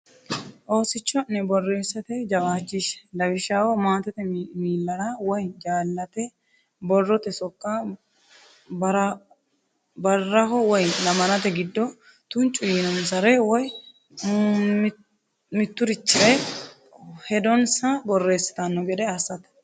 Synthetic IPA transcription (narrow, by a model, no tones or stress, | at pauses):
ʔo̞ːsɪt͡ʃːɔnɛbɔrːe̞ːsːɐt̪ɛd͡ʒɐɡaːt͡ʃːɪʃlɐbɪʃaːwɔmaːt̪ɛt̪ɛmiːlːɐɾawɔjd͡ʒaːlːɐt̪ɛ | bɔrːɔt̪ɛsɔkʼːa | bɐɾ | bɐrːɐɦɔwɔjlɐmɐnɐt̪ɛɡɪd̪ːɔ | t̪ʊnt͡ʃʼːʊjiːnɔmsɐɾɛwɔj | mɪt̪ːʊɾɪt͡ʃːɪɾɛj | hɛd̪ɔnsɐbɔrːe̞ːsːɐ̥t̪ɐnːɔɡɛd̪ɛɐsɐt̪ɐ̥